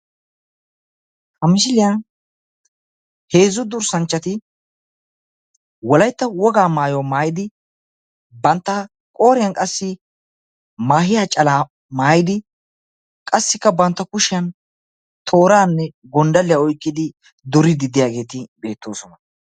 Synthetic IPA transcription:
hɐmɪʃɪlɪja | he̞ːzːʊd̪ʊɾsɐnt͡ʃːɐt̪ɪ | wɔlɐjt̪ːɐwɔɡaːmaːjoːmaːjɪd̪ɪ | bɐnt̪ːɐ | kʼo̞ːɾɪjɐnkʼɐsːɪ | maːhɪjaːt͡ʃʼɐlaː | maːjɪd̪ɪ | kʼɐsːɪkːɐbɐnt̪ːɐkʊʃɪjɐn | t̪ʰo̞ːɾaːnːɛ | ɡɔnd̪ɐlːɪjaɔjkːɪd̪ɪ | d̪ʊɾɪd̪ɪd̪ɪjaːɡe̞ːt̪ɪbe̞ːt̪ːo̞ːsɔnɐ

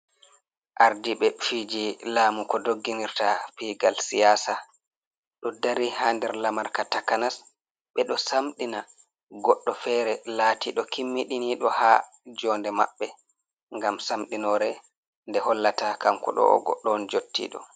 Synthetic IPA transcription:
ʔaɾdiɓɛfiːd͡ʒilaːmukɔdoɡːiniɾtapiɡalsijaːsa | ɗɔdaɾihaːndɛɾlamaɾkatakanas | ɓɛɗɔsamɗina | ɡɔɗːɔfɛːɾɛlaːtʰiɗɔkʰimːiɗiniɗɔha | d͡ʒɔːndɛma̰ɓːɛ | ŋɡamsamɗinɔɾɛ | ndɛhɔlːatakamkɔ̰ɗɔ̰ɔ̰ɡɔ̰ɗːɔnd͡ʒotːḭɗɔ̰

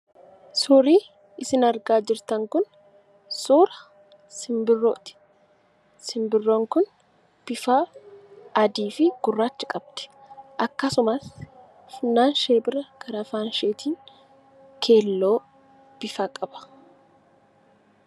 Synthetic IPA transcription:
sʊːɾiː | ɪsɪnɐɾɡaːd͡ʒɪɾt̪ɐŋkʊn | suːɾɐ | sɪmbɪrːoːt̪ɪ̥ | sɪmbɪrːoːŋkʊn | b̥ɪfaː | ɐd̪iːfɪɡ̥ʊrːaːt͡ʃːɪ̥kʼɐb̥̚t̪ɪ̥ | ʔɐkːɐsʊmɐs | fɪnːaːnʃeːbɪɾɐkʰɐɾɐfaːnʃeːt̪ʰiːŋ | kʰeːlːo̞ː | b̥ɪfaːkʼɐbɐ̥

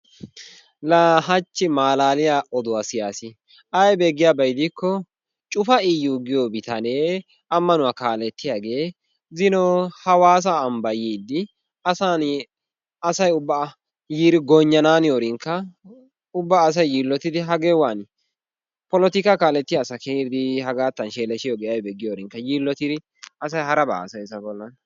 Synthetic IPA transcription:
laːhɐt͡ʃːɪmaːlaːlɪjaʔɔd̪ʊwaːsɪjaːsɪ | ʔɐjbeːɡːɪjaːbɐjd̪ɪkːɔ | t͡ʃʼʊfɐɪjuɡɪjobɪt̪ɐne̞ː | ɐmːɐnʊwaːkaːlɛt̪ːɪjaːɡe̞ː | zɪnɔhɐwaːs̬aːmbɐjiːd̪ːɪ | ɐsan | ɐsɐjʊbːa | jiːɾɪɡɔɲːɐnaːnɪjoɾɪŋkːɐ | ʊbːaːs̬ɐjjiːlːɔt̪ɪd̪ɪɦɐɡeːwaːn | pɔlɔt̪ɪkakaːlɛt̪ːɪjaːsɐkeːɪd̪ɪhɐɡaːt̪ːɐnʃeːlɛʃɪjɔɡɛjɐjbɛɡːɪjoːɾɪŋkːɐjiːlːɔt̪ɪd̪ɪ | ɐsɐjhɐɾɐba̰ːsɐjsɐbɔlːɐn

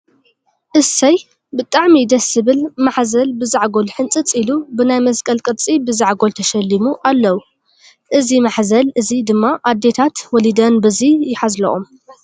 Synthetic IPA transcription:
ʔɨsɐj | bɨt̪ʼaʕmid̪ɐsːɨβɨlmaħzɐlbɨzaʕɡo̞lħɨnt͡sʼɨt͡sʼilubɨnajmɐskʼɐlkʼɨt͡sʼibɨzaʕɡolt̪ʰɐʃɐlːimuʔalːɐwu | ʔɨzimaħzɐlɨzid̪ɨmːaʔad̪ːe̞t̪ʰat̪wɔlid̪ɐnbɨzijɪħazlɐ̰ʔom

